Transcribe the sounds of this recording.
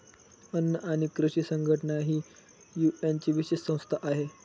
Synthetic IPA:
ənːəʔaɽ̃ikɾuɕiːsəŋɡʱəʈəɳaɦiː | juent͡ɕiʋiɕessə̃w̃st̪ʰaʔaɦe

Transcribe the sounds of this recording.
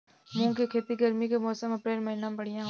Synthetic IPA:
mũːkekʰeːt̪iɡəɾmikemɔːsəmɐpɾeːlmɐɦinãːmbəɽɪjãːɦ

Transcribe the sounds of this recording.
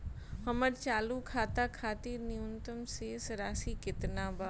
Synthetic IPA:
hɐməɾt͡ʃaːlukʰaːt̪akʰaːt̪iːɾnɪjʊnt̪əmseːsɾaːsikɪt̪naːbaː

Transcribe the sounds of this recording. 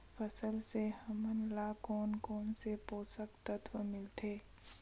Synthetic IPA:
fʰəsəlsehɐmənlaːkɔːnkɔːnsepoːsəkt̪ət̪ʰwəmɪlt̪ʰeː

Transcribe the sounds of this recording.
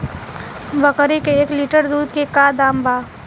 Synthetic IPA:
bəkəɾikeːkliʈəɾd̪uːd̪kekaːd̪aːmbaː

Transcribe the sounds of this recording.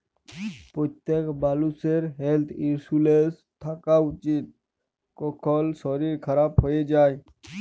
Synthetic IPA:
pɔt̪ekbaluseɾɦelt̪ʰiɾsules | t̪ʰakaʊt͡ʃit̪̚ | kɔkʰɔlsɔɾiɾkʰəɾaːbɦoed͡ʒaːj

